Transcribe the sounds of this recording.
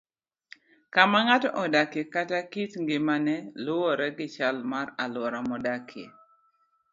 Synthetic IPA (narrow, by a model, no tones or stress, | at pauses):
kamaŋatɔʔɔdakjekatakitŋɡɪmanɛlʊɔɾɛɡɪt͡ʃalmaralwɔɾamɔdakʰjḛ